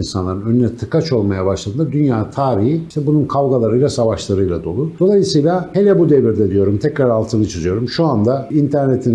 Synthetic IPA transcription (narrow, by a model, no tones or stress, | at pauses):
nsanlˠaɾɯnø̞nynɛt̪ʰɯkat͡ʃo̞lˠmajabaʃlˠad̪ɯnd̪ad̪ynjaːt̪ʰaːɾihiʃt̪ʰɛbununkʰavɡalˠaɾɯjlˠasavaʃlˠaɾɯjlˠad̪o̞lˠud̪̥o̞lˠajɯsɯjlˠahe̞lʲɛbud̪eviɾd̪ɛd̪ijo̞ɾumt̪ʰɛcɾaɾalˠt̪ʰɯnɯt͡ʃʰɯzɯjo̞ɾumʃuand̪aint̪ʰæɾne̞t̪ʰin